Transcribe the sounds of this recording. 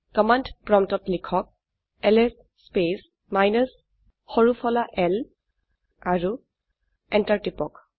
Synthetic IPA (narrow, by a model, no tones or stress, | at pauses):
kɔmandpɹɔmtɔtlikʰɔk̚ | ɛlɛs | spes | majnəs | xɔɹupʰɔlaʔɛl | aɹu | ɛntaɹtipɔk